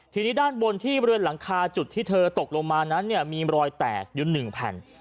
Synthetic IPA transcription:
t̪ʰiː˧niː˦˥daː˥˩nwo˧nt̪ʰiː˥˩bɔ˧ɾwe˧nla˩˦ŋkʰaː˧t͡ɕu˨˩t̪ʰːiː˥˩t̪ʰɤː˧t̪o˨˩k̚lo˧ŋmaː˧na˦˥nːi˥˩ɐmiː˧ɾɔː˧jt̪ɛ̰ː˨˩k̚ju˨˦nɯ˨˩ŋpʰɛ̰˨˩n

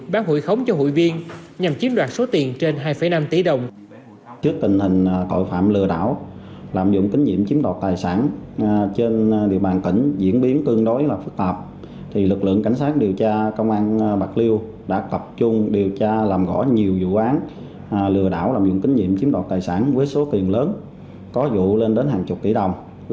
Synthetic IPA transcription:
ɓaː˨˦wɦṵ˧˨jxə˨˦wŋ͡mt͡ɕɔ˧ɦṵ˧˨jvi˧ən | ɲa˨˩mt͡ɕi˨˦ənɗwaː˨˩t̚so˨˦t̪i˨˩ənt͡ɕe˧nɦaː˧jfə˧˩jna˧mt̪i˧˩˦ɗə˨˩wŋ͡m | t͡ɕɨ˦˥ək̚t̪ï˨˩ŋ̟hï˨˩ŋ̟˩k̪o̰˧˨jfa̰ː˧˨mlɨ˨˩əɗa̰ː˧˥˨w | laː˨˩mzʊ̰˧˨ŋ͡mkï˨˦ŋ̟ɲḭ˧˨əmt͡ɕi˨˦əmnt̪ɔː˨˩t̚t̪aː˨˩jsaː˧˩nt͡ɕe˧nɗḭ˧˨əwɓaː˨˩nt̪ï˧˩ŋ̟zḭ˧˥ənɓi˨˦ənk̪ɨ˧əŋɗo˨˦jlaː˨˩fɨ˦˥k̚t̪aː˨˩p̚ | t̪ʰi˨˩lɨ˨˩k̚lɨ̰˧˨əŋka˧˩jŋ̟saː˦˥k̚ɗi˨˩əwt͡ɕaː˧kə˧wŋ͡mʔaː˧nɓa˨˩k̚li˧w | ɗa̰ː˧˥t̪ə˨˩p̚t͡ɕʊ˧ŋ͡mɗi˨˩əwt͡ɕaː˧laː˨˩mɣɔ̰˧˥ɲi˨˩əwzṵ˧˥ʔaː˨˦n˩ | lɨ˨˩əɗa̰ː˧˥˨wlaː˨˩mzʊ̰˧˨ŋ͡mkï˨˦ŋ̟ɲḭ˧˨əmt͡ɕi˨˦ənt̪ɔː˨˩t̚t̪aː˨˩jsaː˧˩nvəː˨˦jso˨˦t̪i˨˩ənləː˨˦n | kɔ˨˦zṵ˧˨le˧nɗe˨˦nɦaː˨˩ŋt͡ɕʊ˨˩k͡p̚k̪ḭ˧˩ɗə˨˩wŋ͡m

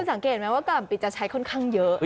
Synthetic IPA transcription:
ə˧nsa˩˦ŋkeː˨˩t̪̚ma˦˥waː˥˩a˧la˨˩mpi˨˩t̪̚t͡ɕa˨˩t͡ɕʰa˦˥jkʰɔ˥˩nkʰaː˥˩ŋjɤ˦˥ʔ

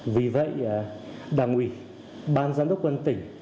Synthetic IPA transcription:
vi˨˩və̰˧˨jɗaː˧˩ŋʔwi˧˩ | ɓaː˧nzaː˧nɗə˦˥k͡p̚kwə˧nt̪ï˧˩ŋ̟

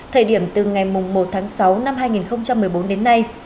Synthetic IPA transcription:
t̪ʰəː˨˩ɗi˧˩əmt̪ɨ˨˩ŋa˨˩jmʊ˨˩ŋ͡mmo˨˩t̚t̪ʰaː˨˦ŋsa˨˦wna˧mɦaː˧jŋi˨˩nxə˧wŋ͡mt͡ɕa˧mːɨ˨˩əjɓo˨˦nɗe˨˦nːa˧j

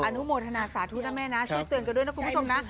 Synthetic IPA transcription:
ʔaː˧˩nu˨˦moː˨˧˩t̪̚ʰa˧naː˨˧˩saː˨˩t̪ʰuː˧˦na˧mɛː˧˥naː˨˦˥su˧˦˥t̪əŋkːɗnː˧˦kʰːm˧˦˩t͡ɕu˧mna˨˦

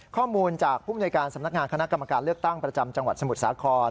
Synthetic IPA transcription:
kʰɔː˥˩muː˧nt͡ɕaː˨˩k̚pʰuː˥˩a˨noː˧jkaː˧nsa˩˦mna˥k̚ŋaː˧nka˧na˦˥ka˧mːa˧kaː˧nlɯ˥˩ək̚t̪a˥˩ŋpɾa˧t͡ɕa˧mt͡ɕa˧ŋwa˨˩t̪̚sa˧mu˨˩t̪̚saː˨˩˦kʰɔː˧n

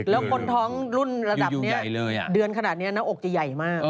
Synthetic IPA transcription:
lɛː˦˥wkʰo˧nt̪ʰɔː˦˥ŋɾu˥˩nɾa˧da˨˩ni˦˥ɐ˧˩lːjdɯ˧ənkʰa˧naː˨˩t̪̚ni˦˥ɐna˦˥ʔo˨˩k̚t͡ɕa˨˩ja˨˩jmaː˥˩k̚

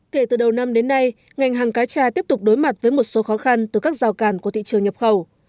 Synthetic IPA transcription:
ke˧˩t̪ɨ˨˩ɗə˨˩wna˧mɗe˨˦nːa˧j | ŋa˨˩jŋ̟ɦaː˨˩ŋkaː˨˦jt͡ɕaː˧˩t̪i˦˥əp̚t̪ʊ˨˩k͡p̚ɗo˨˦jma˨˩t̚vəː˨˦jmo˨˩t̚so˨˦xɔ˨˦xa˧nt̪ɨ˨˩kaː˦˥k̚z̥aː˨˩wkaː˧˩nku˧˩ət̪ḭ˧˨t͡ɕɨ˨əŋɲə˨˩p̚xə˧˩w

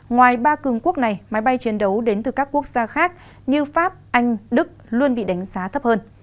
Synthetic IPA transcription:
ŋwaː˨˩jɓaː˧kɨ˨˩əŋku˦˥ək̚na˨˩jma˨˦jɓa˧jt͡ɕi˨˦ənɗə˨˦wɗe˨˦nt̪ɨ˨˩kaː˦˥kːu˦˥ək̚z̥aː˧xaː˦˥k̚ | ɲɨ˧faː˦˥p̚ʔa˧jŋ̟ɗɨ˦˥k̚lu˧ənɓḭ˧˨ɗa˨˦ŋ̟zaː˨˦t̪ʰə˦˥p̚həː˧n

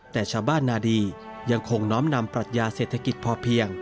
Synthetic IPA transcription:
t̪ɛː˨˩t͡ɕʰaː˧wbaː˥˩nːaː˧diː˧ | ja˧ŋkʰo˧ŋnɔː˦˥mna˧mpɾa˨˩t̪̚jaː˧seː˨˩t̪ʰːa˧ki˨˩t̪̚pʰɔː˧pʰi˧əŋ

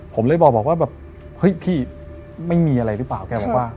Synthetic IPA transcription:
pʰo˩˦mlɤː˧˥˩jbɔː˨˩k̚bɔː˨˩k̚waː˥˩bɛː˨˩p̚ | hɤ˦˥jpʰiː˥˩ | ma˥˩jmiː˧ʔa˧ɾa˧jɾɯ˦˥plaː˨˩wkɛː˧bɔː˨˩kwwaː˥˩

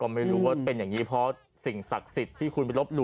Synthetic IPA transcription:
kɔː˥˩ma˥˩jɾuː˦˥waː˥˩pe˧njaː˨˩ŋiː˦˥pʰɾɔ˦˥ | si˨˩ŋsa˨˩k̚si˨˩t̪ʰːiː˥˩kʰu˧nma˧˩jlo˦˥p̚lu˧

